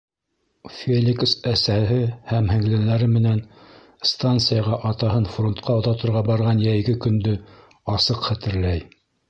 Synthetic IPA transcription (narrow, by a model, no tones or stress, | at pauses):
fʲelʲiksæsæɦɘhæmhɘ̆ŋlɘ̆nlæɾɘmɘ̆næn | st̪ant̪sɨjɑʁɑʔɑt̪ɑɦɤnfront̪̚qɑoðɑt̪ŏɾʁɑbɑɾʁɑnjæjɡɘkɵ̆nd̪ɵ | ɑsɤqχæt̪ɘ̆ɾlæj